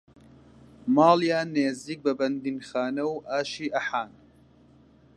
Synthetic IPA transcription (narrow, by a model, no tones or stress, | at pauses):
mɑːljaːneːziːk̚bɐbɐnd̪inxaːnɐwʔaːʃiːʔɐħaːn